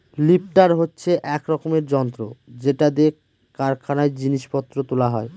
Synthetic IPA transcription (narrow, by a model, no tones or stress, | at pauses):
lip̚ʈaɾɦotːɕʰeʔɛkɾɔkomeɾd͡ʑɔnt̪ɾod͡ʑeʈad̪ek | kːaɾkʰanaed͡ʑiniʃpɔt̪ːɾot̪olaɦɔe